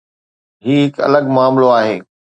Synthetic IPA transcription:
ɦiːɦɪkɐ̰ləɡmaːmloaːɦeː

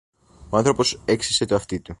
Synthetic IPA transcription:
oɐnθɾopo̞se̞ksiset̪oɐft̪it̪u

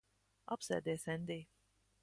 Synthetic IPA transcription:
ʔapsɛ̰t̚dɛsɛ̃nde

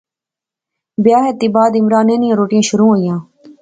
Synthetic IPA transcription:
bɪjaːɦeːt̪ːiːbaːd̪ɪmɾaːnẽːnijãːɾoːʈɪjãːʃʊɾũːɦoːijãː

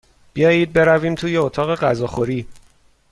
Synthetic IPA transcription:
b̥ijɒːjiːd̪̚be̞ɾæviːmt̪ʰuːje̞ot̪ʰɒːɣe̞ɢæzɒːxo̞ɾiː

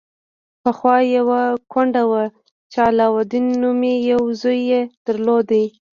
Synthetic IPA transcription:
pəxwɑjawakwaɳɖawa | t͡ʃalɑwad̪inːumejawzojːed̪̥əɾlod̪a

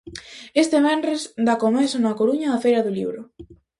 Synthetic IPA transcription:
est̪eβɛndɾesd̪akomesonakoɾuɲaðɐfejɾɐðʊlḭβɾʊ

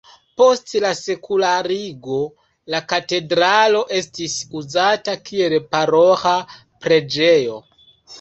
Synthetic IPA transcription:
po̞stlase̞kulaɾiɡo̞ | lakate̞dɾalo̞ʔe̞stisuzatakie̞lpaɾo̞xa | pɾe̞d͡ʒejo̞̰

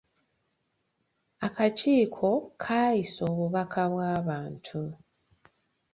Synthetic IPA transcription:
akaciːkʰo̞kʰaːjiso̞ːβuβakʰaβwaːβaːntʰu

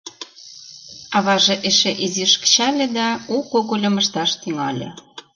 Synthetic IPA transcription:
ɑβɑʒĕʔeʃeʔiziʃkə̥t͡ɕɑlʲĕd̪ɑukoɣolʲɤ̆mə̆ʃt̪ɑʃt̪yŋɑlʲḛ̆

